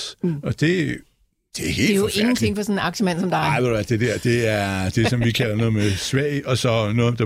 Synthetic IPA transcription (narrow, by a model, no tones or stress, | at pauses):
ɒd̥e̝ | d̥e̝æhḛjoeŋn̩t͡sʰe̝ŋ̰fɒsɔnɑ̈ɡ̥ɕəmæn̰sɒ̽md̥ɑʋeæd̥e̝d̥æɐd̥e̝æɐd̥e̝sɒ̽mʋikʰælɐnɔ̽ːð̩ˠmesʋɛɪɒ̽sɒ̽nɔːð̩ˠd̥ɑ